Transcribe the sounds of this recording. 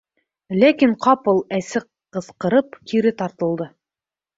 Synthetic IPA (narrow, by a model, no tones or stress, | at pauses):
lækiɴqʰɑpɤlˠæsɘqː | ɤ̆sqɤ̆ɾɤpkʰiɾɘt̪ɑɾt̪ɤ̆lˠd̪ɤ